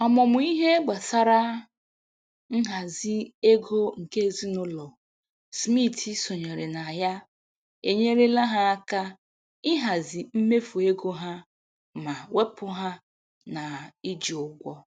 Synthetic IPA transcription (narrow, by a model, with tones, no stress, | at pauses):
ɔ˨mɔ˨mʊ˨˦i˦ɦe˦ɡ͡ba˨sa˦ɾa˦ | ŋ̩˦ɦa˨zi˦e˦ɡo˦ŋ̩˨ke˦˨zi˦nʊ˦lɔ˨ | smi˦˨ti˦sɔ˨ɲe˨ɾe˨na˨ja˦ | e˨ɲe˦ɾe˦la˦ɦa˦a˦ka˦ | ɪ˦ɦa˨zi˨m̩˦me˦fu˨e˦ɡo˦ɦa˦ | ma˨we˦pʊ˦ɦa˦ | na˨i˦d͡ʒi˨ʊ˦ɡʷɔ˦